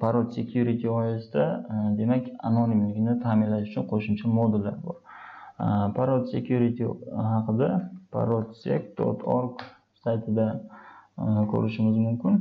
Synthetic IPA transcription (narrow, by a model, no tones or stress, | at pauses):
pʰaɾod̪se̞kʲʰjuɾit̪ʰɪɒjasɪd̪ad̪e̞makʲa̰nonimlɪɡʲnɪt̪ʰaːmɪnlaʃʊ̥t͡ʃʰʊnqʰoʃʊmt͡ʃʰamod̪ɪlːa̰ɾbɒɾ | pʰaɾot̪se̞kʰʲjuɾit̪ʰihɑqʰɨd̪apʰa̰ɾot̪sḛkd̪̥o̰t̪ʰo̰ɾɡ | sajt̪ʰɪd̪a | kʲʰɵ̰ɾɪʃɪmɪzmʊmkʲɪn